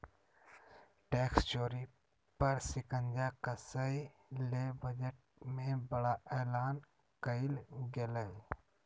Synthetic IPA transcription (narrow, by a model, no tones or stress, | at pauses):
ʈeːkst͡ʃoːɾi | pəɾsɪkə̃nd͡ʒakasəilebəd͡ʒəʈ̚mẽbəɽaʔeːlaːn | kəilɡeləi